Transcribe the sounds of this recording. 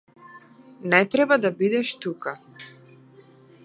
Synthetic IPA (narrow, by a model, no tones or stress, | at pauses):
nɛt̪ɾɛbad̪abid̪ɛʃt̪uka